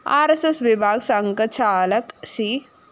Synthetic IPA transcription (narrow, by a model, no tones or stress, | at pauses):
aːɾesesʋibʱaːɡsaŋkət͡ʃʰaːlɐksi